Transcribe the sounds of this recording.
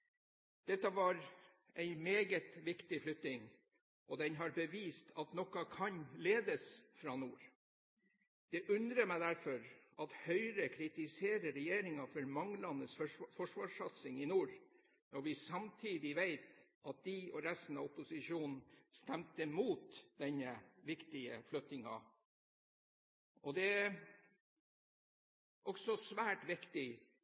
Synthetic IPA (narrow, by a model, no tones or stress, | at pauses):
d̪̥ɛt̪ːɑʋɑɾ | æɪmeːɡət̪ʋɪkt̪ɪflʏkt̪ɪŋ | ʔɔd̪ɛnɦɑɾbəʋiːst̪ʰɑt̪nɔkɑkʰɑnleːd̪əsfɾɑnuːɾ | d̪̥ɛʔʉnd̪ɾəmæɪd̪æɾfɔɾɑt̪hœʏɾəkʰɾɪt̪ɪseːɾəɾɛjeːɾɪŋɑfɔɾmɑŋːlɑnəsfɔʂʋɑːʂɑt̪sɪŋɪnuːɾ | nɔɾʋɪsɑmt̪ʰiːd̪ɪʋeɪt̪ʔɑt̪̚d̪ɪɔɾɛst̪n̩ɑɔpʊsɪʂuːnn̩st̪ɛmt̪əmuːt̪d̪ɛɲːəʋɪkt̪ɪə̰flœt̪ɪŋɑ̰ | ɔd̪ɛæ | ʔɔksɔsʋæːʈʋɪkt̪ɪ